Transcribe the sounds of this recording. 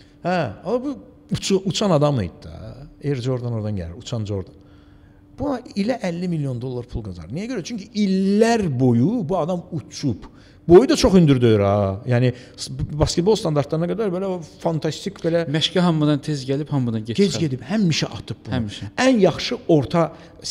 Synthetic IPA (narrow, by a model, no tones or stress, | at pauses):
hæɑlbu | ut͡ʃʰuʔut͡ʃʰɑnɑd̪ɑmɯ̰jd̪d̪̥ɑ̰eɾd͡ʒo̞ɾd̪ɑno̞ɾd̪ɑnɟæ̰liɾut͡ʃʰɑnd͡ʒo̞ɾd̪ɑn | b̥uɑilæʔælːimilːjo̞nd̪o̞lˠːɑɾpʰulˠɡɑzɑ̰ɾnijæɟøɾæt͡ʃʰyɲcʰiilːæɾbo̞jubuɑd̪ɑmut͡ʃʰup | bo̞jud̪ɑt͡ʃʰo̞χynd̪yɾd̪øjyɾɑjæːni | sbɑskʲet̪̚bolˠst̪ʰɑnd̪ɑɾt̪ʰlˠɑɾɯnɑɡæd̪æɾbelæofɑnt̪ʰɑst̪icʰbelæmæʃcæɦɑmːɯd̪ɑnt̪ʰezɟælib̥hɑmːɯd̪ɑnɟeɟed͡ʒɟe̞d̪ibhæmːiʃɛʔɑ̰t̪ʰɯp̚bunæmːʃɛænjɑχʃɯo̞ɾt̪ʰɑ